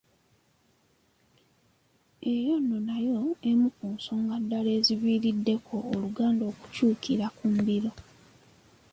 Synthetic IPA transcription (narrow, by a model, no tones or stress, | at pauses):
e̞jo̞nːonajo̞emukuːnsoŋɡadːale̞ːziβiːɾidːe̞kʰo̞ːluɡaːndo̞ːku̥cuːkʰiɾakumbiɾo̞